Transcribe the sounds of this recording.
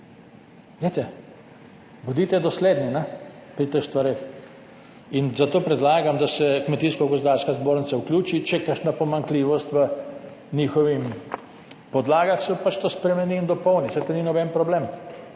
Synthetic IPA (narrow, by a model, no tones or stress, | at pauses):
let̪ɛ | bɔd̪iːt̪ɛd̪ɔsleːd̪ninɛpɾit̪əxst̪ʋaɾeːx | inzat̪oːpɾɛd̪laːɡamd̪asɛkmɛt̪iːskɔɡɔzd̪aːɾskazboːɾnisauklʲjuːt͡ʃit͡ʃɛkəʃnapɔmaŋkliːʋɔst̪ʋə | nixɔʋim | pɔd̪laːɡaxsɔpat͡ʃt̪ospɾɛmɛniːnd̪ɔpɔwnisajt̪oninɔbɛnpɾɔbleːm